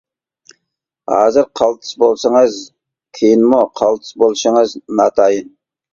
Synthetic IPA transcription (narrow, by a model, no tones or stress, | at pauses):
hɑ̰ːzɨɾqʰɑlˠt̪ʰɨ̥sbolˠsəŋɨz | kʲʰejinmuqʰɑlˠt̪ʰɨ̥sbolˠʃəŋɨznɑt̪ʰɑjɨn